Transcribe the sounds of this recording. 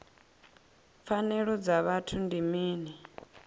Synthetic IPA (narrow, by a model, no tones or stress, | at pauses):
p̪fanɛɺɔd͡zaβatʰundimiːnɛ